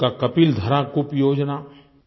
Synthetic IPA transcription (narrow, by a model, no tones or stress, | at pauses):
kakɐpiːld̪ʱɐɾakʊpjoːd͡ʒna